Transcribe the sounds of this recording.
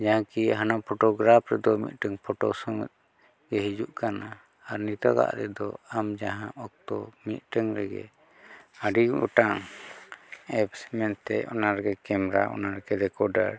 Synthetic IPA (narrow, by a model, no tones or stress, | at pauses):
d͡ʒaɦãkiɦanapʰɔʈɔɡɾapʰɾɛd̪ɔmḭt̪̚ˀʈəŋpʰɔʈɔsɔŋt̪̚ | ɡɛɦid͡ʒuʔkana | aɾnit̪aɡa̰ʔɾɛd̪ɔamd͡ʒaɦãʔɔk̚t̪ɔmit̪̚ˀʈəŋɾɛɡɛ̰ | aɖiɔʈaŋ | ɛpsɛmɛnt̪ɛɔnaɾɡɛkɛmɾaʔɔ̰naɾɡɛɾɛkɔɖa̰ɾ